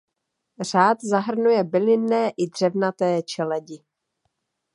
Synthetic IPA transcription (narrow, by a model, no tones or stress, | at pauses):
r̝aːt̪zaɦr̩nujɛbɪlɪnːɛːʔɪdr̝̥ɛvnat̪ɛːt͡ʃɛlɛɟɪ